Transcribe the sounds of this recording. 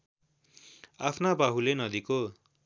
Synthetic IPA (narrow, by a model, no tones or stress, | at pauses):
apʰnabaɦulenʌd̪iko